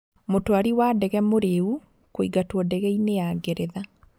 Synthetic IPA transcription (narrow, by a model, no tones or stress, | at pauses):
motoaɾiwadɛɣɛmoɾeu | koiɡatwɔdɛɣɛineaːɡeɾeða